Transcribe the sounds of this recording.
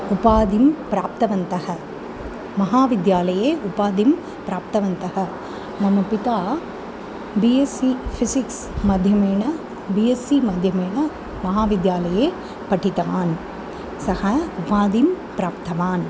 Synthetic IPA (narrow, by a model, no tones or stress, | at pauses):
ʊpaːd̪impɾaːp̚t̪ɐʋɐnt̪ɐhɐ | mɐɦaːʋɪd̪jaːlɐjeːʔʊpaːd̪im | pɾaːp̚t̪ɐʋɐnt̪ɐhɐ | mɐnupɪt̪aː | biesifʰɪsɪks | mɐd̪ʱjɐmeːnɐ | bijesimɐd̪ʱjɐmeːɳɐ | mɐɦaːʋɪd̪jaːlɐjeː | pɐʈʰːɪt̪ɐʋaːn | sɐhɐʊpaːd̪impɾaːp̚t̪ɐʋaːn